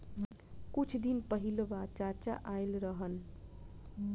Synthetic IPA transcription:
kut͡ʃʰd̪inpəɦilobat͡ʃat͡ʃa̰ʔajlɾəɦən

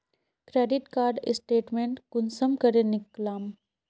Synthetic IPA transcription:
kɾeːɖɪʈkaːɾɖɪ̰sʈeːʈmẽːɳʈkʊnsəmkɐɾenɪklaːm

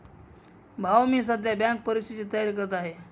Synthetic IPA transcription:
bʱawmiːs̬əd̪ʱjabjãŋk̚pəɾist̪ʰit͡ɕit̪əjaɾik̬əɾt̪aaɦe

